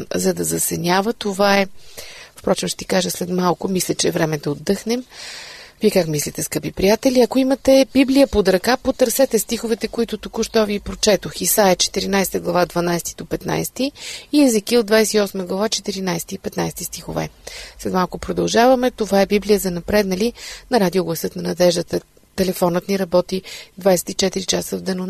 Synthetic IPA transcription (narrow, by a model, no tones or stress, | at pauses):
zɐd̪ɐzɐsɛnʲavət̪ovaɛfpɾɔt͡ʃɛmʃt̪t̪i̥kaʒəslɛt̪malˠkʊmislʲɛt͡ʃɛvɾɛmɛd̪ɐod̪ːɤxnɛm | viɛkakmislʲit̪ɛskɤpipɾijat̪ɛlʲiɐkoimɐt̪ɛbiblʲijəpod̪ɾɐkapot̪əɾsɛt̪ɛst̪ixʊvɛt̪ɛkoit̪ʊt̪ukʊʃt̪ɔvipɾot͡ʃɛt̪oxisajət͡ʃɛ̥t̪iɾinajsɛ̥t̪əɡlˠɐvad̪vɐnajst̪id̪opɛt̪na̰jst̪iːɛzikioʊd̪vajsɛ̥t̪iɔsməɡlˠɐvat͡ʃɛt̪iɾinajsɛt̪iːpɛt̪najsɛt̪ist̪ixovɛ̰slɛt̪malˠkʊpɾod̪ɐlˠʒavɐmɛt̪ovaɛbiblijəzɐnɐpɾɛd̪nɐlinɐɾad̪ʲioɡlˠɐsɤt̪nɐnɐd̪ɛʒd̪ət̪ə | t̪ɛlɛfɔnət̪niɾɐbɔt̪id̪vajsɛ̥t̪it͡ʃɛt̪iɾit͡ʃasəvd̪ɐno